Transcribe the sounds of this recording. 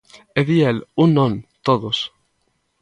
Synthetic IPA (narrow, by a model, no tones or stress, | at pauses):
eðielunːõnt̪oðos